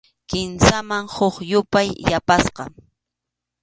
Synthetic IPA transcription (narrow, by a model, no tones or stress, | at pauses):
kɪnsamaŋhʊχjʊpajjapasqɑ̰